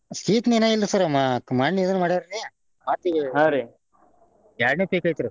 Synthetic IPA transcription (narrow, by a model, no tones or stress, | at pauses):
siːt̪nenailːɐsɐɾɐmːakɐmaːɳːiːd̪ɐnmaːɽiɾɐɾe | maːt̪iɡɦaɾi | jaːɾnepeːkaːjt̪ɐɾu